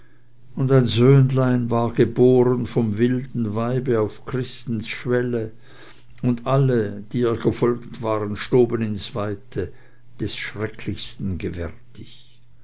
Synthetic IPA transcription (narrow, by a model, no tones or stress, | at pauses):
ʊndaɪnzøːnlaɪnvaːɐɡ̥əboːʁənfɔmvɪldn̩vaɪbəaʊfkʁ̥ɪstn̩sʃvɛlə | ʊndaləd̥iːɛːɐɡ̥əfɔlktv̥aːʁənʃtoːbənɪnsv̥aɪtʰə | d̥ɛsʃʁ̥ɛkʰlɪçstn̩ɡəvɛʁtʰɪç